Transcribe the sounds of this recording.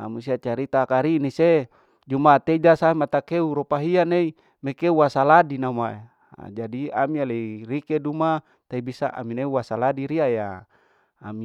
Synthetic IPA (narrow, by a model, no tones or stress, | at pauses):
amusiat͡ʃaɾit̪akaɾinise | d͡ʒumat̪ed͡ʒasaimat̪akeuɾopaɦianei | mekeuwasaladinamaḛ | d͡ʒadia̰mialeirikeduma | t̪aibisa̰ʔa̰mineuwasaladiɾiajaː | mi